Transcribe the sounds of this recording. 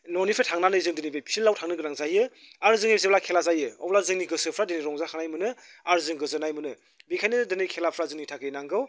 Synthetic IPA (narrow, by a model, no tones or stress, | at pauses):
nɔnipʰɾetʰaŋnanɯzɯŋdɯnibejpʰilːawtʰaŋnɯɡɯɾaŋzajɯ | aɾzɯŋizeblakʰelazajɯɔ̰wblazɯŋniɡɯsɯpʰɾadɯniɾɔŋzakʰaŋnajmɯnɯ | aɾzɯŋɡɯzɯnajmɯnɯ | bikʰajnɯdɯnikʰelapʰɾazɯŋnitʰakʰɯinaŋɡɯw